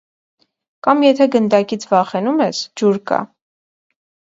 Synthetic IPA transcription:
kɑmjɛt̪ʰɛɡənd̪ɑkit͡sʰvɑχɛnumɛsd͡ʒuɾkɑ̰

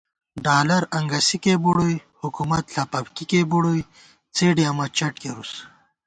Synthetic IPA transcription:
ɖaːlɐɾɐŋɡɐsikebuɽoihukumɐt̪ɬɐpɐbkikebuɽoj | t͡seːɖeɐmɐt͡ɕɐʈ̚keɾus

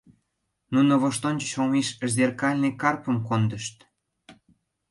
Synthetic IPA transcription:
nunoβoʃt̪onʲt͡ɕət͡ɕomeʃzerkɑlʲnekɑrpəmkond̪əʃt̪

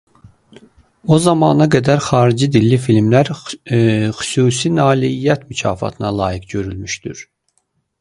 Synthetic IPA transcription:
o̞zɑmɑːnɑɡæd̪æɾxɑːɾid͡ʒid̪ilːifilmlæɾ | xy̥suːsinɑːliijæt̪mycʰɑ̰ːfɑ̰t̪ʰɯnɑlˠɑ̰ːjikɟø̞ɾylmyʃd̪yɾ̥

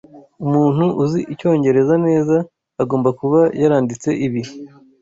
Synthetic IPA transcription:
umuːnhuʔuziʔico̞ːɲɟe̞ɾe̞zane̞ːzaː | ɡo̞ːmbakuβajaɾaːndit͡se̞ʔiβihi

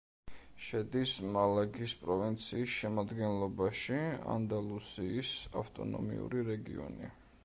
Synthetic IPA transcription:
ʃɛd̪ismalaɡispʼɾɔvint̪sʰiːsʃɛmad̪ɡɛnlˠɔbaʃia̰nd̪alˠusiːsa̰ft̪ʼɔ̰nɔ̰mḭṵɾiɾɛɡḭɔ̰nḭ

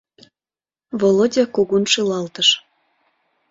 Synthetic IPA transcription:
volod̪ʲekoɣunʃelɑlt̪əʃ

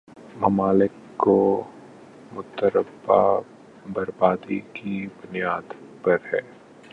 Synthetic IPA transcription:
mɐmaːlɪkːo | mʊt̪əɾəbːa̰ | bɐɾbaːd̪ikibʊnijaːd̪pɐɾhɛː

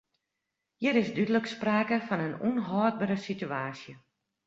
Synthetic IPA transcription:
jɪɾɪzdydələkspraːkəfɔnənunɦɔːd̚bəɾəsityaːsjə

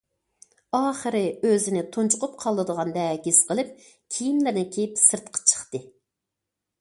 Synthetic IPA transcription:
ɑːχəɾɨøzɪnɪt̪ʰont͡ʃʰʊqʰʊp̚qʰɑlˠːɨd̪əʁɑnd̪ɛɡʲisqʰəlˠɨp̚ | kʲʰijimlɪɾnɪkʲʰejipsɨɾt̪qʰɑ̥t͡ʃʰə̥χt̪ɨ

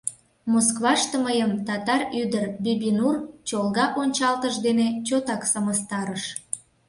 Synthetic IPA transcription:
moskβɑʃt̪əməjəmt̪ɑt̪ɑryd̪ərbʲibʲinurt͡ɕolɣɑʔonʲt͡ɕɑlt̪əʃd̪enet͡ɕot̪ɑksɑməst̪ɑɾəʃ

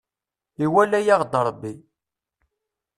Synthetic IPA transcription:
iwælːæjaʁd̪ɾˤbːi

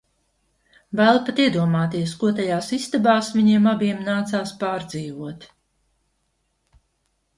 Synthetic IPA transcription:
væːlˠpat̪iɛd̪uɔmaːt̪iɛskuɔt̪ajaːsist̪abaːsviɲiɛmabiɛmnaːt̪saːspaːɾd̪ziːvuɔt̪

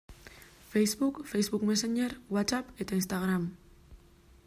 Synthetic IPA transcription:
fejzβukfejzβukmeseɲeɾwat͡sape̞t̪ainst̪aɣ̞ɾam

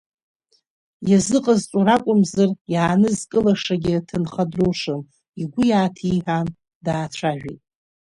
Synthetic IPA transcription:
jazɨqʼazt͡ʃʷʼuɾakʷʼʊmzɨrjaːnɨzkʼɨlaʂaɡʲɪtʰɨnχadruʂɨn | iɡʷʊjaːtʰiħan | daːt͡ʃʷʰaʒᶣḭtʼ

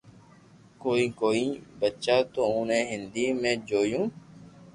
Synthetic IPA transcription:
koːiːkoːiːbətːʃaːt̪oːonẽːɦɪnd̪iːmẽːd͡ʒoːjũː

